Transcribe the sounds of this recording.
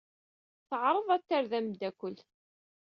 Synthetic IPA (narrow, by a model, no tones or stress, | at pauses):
θəʕɾˤəðˤæt̪ːaɾðæmd̪ækʷːəl